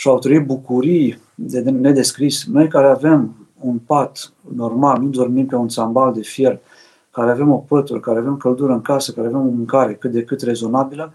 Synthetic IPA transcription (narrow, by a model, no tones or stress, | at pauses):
ʃawt̪ɾəit̪̚bukuɾij | d̪eene̞d̪e̞skɾisno̞jkaɾeave̞m | unpat̪ | no̞rmalnud̪o̞rmimpe̞unt̪sambald̪e̞fje̞r | kaɾeave̞mo̞pət̪uɾkaɾeave̞mkəld̪uɾəɨŋkasəkaɾeave̞mo̞muŋkaɾe̞kɨt̪̚d̪e̞kɨt̪re̞zo̞nabilə